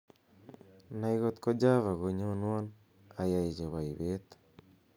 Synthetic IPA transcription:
na˦iɣo˦t̪ko˦d͡ʒa˦βa˨ɣo˨ɲo˦nwo˦n | a˨ja˨i˨d͡ʒe˨βa˨i˨βe˦t̪ḁ

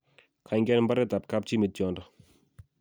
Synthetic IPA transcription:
kʰa˨ŋɡɛ˦nmba˦ɾɛ˦t̪a˨p̚ka˦p̚t͡ʃi˦mi˦t̪̚t͡ʃɔ˨ndɔ˦

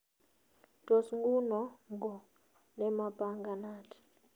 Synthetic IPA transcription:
d̥ʼo˨sŋɡu˦nɔ˨ŋɡʱɔ˨ | nɛ˦ma˦bʼa˦ŋɡa˨naː˦tʰi̥

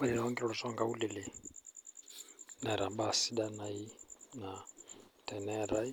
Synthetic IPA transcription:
alɛ˨naa˦ŋɡi˦ɾɔɺɔ˨sɔ˦ŋɡa˦u˦lɛ˨lɛ˨ | na˨ɾa˨ɓa˨si˦ɗa˦na˨i˦na˨tɛ˨nɛ˦ɾa˦i˦

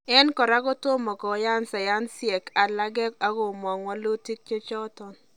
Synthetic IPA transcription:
ɛ˦nkɔ˨ɾa˦kɔ˦to˦mɔ˨kɔ˨˦ja˦nsa˨ja˦nsɪ˦ɛ˨ka˨la˦ɡɛ˦ka˦ɡo˨mɔ˨ŋwa˦lo˦ti˦k̚t͡ʃe˦t͡ʃɔ˦tɔ˨n

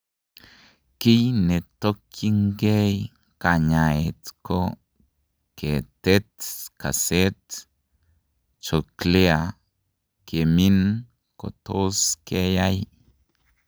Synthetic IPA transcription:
ki˦jne˨t̪o˦kji˦ŋɡe˦j | ka˨ɲa˨e˨t̪ko˦ | ke˨t̪e˦t̪ka̰˨se˦t̪ | t͡ʃo˨kle˦a˨ | ke˨mi˦n | ko̰˨t̪ʰo˦ske˦ja˦j

